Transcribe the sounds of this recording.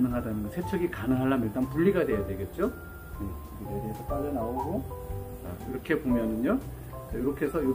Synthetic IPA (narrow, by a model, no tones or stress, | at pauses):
nɯŋɦadanɯnɡʌsʰe̞t͡ɕʰʌɡikanɯŋɦaɭːamiɭt͈anpuʎːiɡadwe̞jade̞ɡe̞t̚t͡ɕ͈o | jeʌɡidedeɦesʰʌp͈aʎːʌnaoɡo | a̰iɾʌkʰe̞pomjʌnɯno | ajoɾʌkʰe̞sʰʌjo